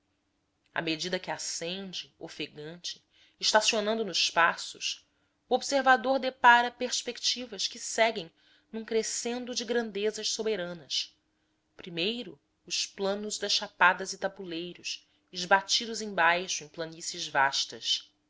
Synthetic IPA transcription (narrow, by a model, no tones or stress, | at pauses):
a̰med͡ʒid̪ɐkɪasẽnd͡ʒɪofeɡɐ̃nt͡ʃɪ̥ː | ʃt̪asionɐ̃nd̪ʊnʊʃpasʊ̰s | uobseɾvad̪oɾd̪epaɾɐpeɾspekt͡ʃivɐʃkɪsɛɡẽj̃ | nũkɾesẽnd̪ʊd͡ʒɪɡɾɐ̃nd̪ezɐʃsobeɾɐ̃nɐs | pɾimejɾʊ | ʊʃplɐ̃nʊzd̪ɐsʃapad̪ɐzɪt̪abulejɾʊs | ɪʒbat͡ʃid̪ʊzẽj̃bajʃʊẽj̃plɐnisɐʒvaʃt̪ɐs